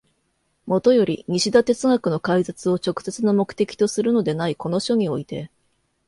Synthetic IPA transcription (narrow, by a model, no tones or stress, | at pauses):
mo̞t̪o̞jo̞ɾʲḭɲ̟iɕid̪at̪e̞t͡sɨŋakɯ̟no̞kaizat͡sɨo̞t͡ɕo̞kɯ̟̥se̞t͡sɨnamo̞kɯ̟̥t̪e̞kʲi̥t̪osɨɾɯ̟no̞d̪e̞naiko̞no̞ɕo̞ɲ̟io̞it̪e̞